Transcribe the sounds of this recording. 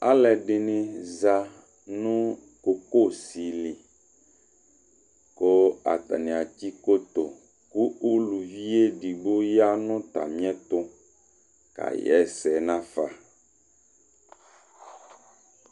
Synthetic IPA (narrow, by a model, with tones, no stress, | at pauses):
a˦lɛ˨ɖɪ˨nɪ̃˨za˨ | nũ˦ | ko˨ko˦˨si˨li˨ | ko˦a̰˨t̪a̰˨nĩ˨a˨ti˦ko˦t̪o˨ | ku˦u˦lu˨vi˦e˦ɖi˨bo˦ja˦nʊ̃˦t̪a̰˨mĩ˦ɛ˦t̪ʊ˦ | ka̰˨jɛ̰˦˨sɛ˨nã˦fa˨